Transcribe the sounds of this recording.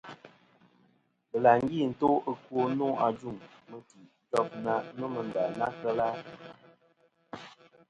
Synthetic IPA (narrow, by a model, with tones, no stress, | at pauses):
bə˨la˨ŋ˦ɡi˦˨n̩˨to˦ə˦kwo˦no˦a˨d͡ʒu˦˨ŋmə˦ti˨˦tɔ˦˨p̚na˦no˦mə˨n̩˨da˨na˦kə˦la˦